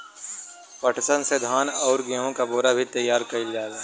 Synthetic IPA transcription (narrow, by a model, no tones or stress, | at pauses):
pɐʈʰsənsed̪ʱaːnɔːɾɡiɦõkaboːɾabʱit̪ɐjːaːɾkɐɪld͡ʒaːd̪a